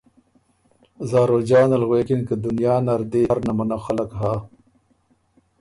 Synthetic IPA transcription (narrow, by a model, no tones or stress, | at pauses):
zaːɾoːd͡ʒɑːnɐlɣweːkinkəd̪unjaːnaɾd̪eːɾnamanaxalakɦaː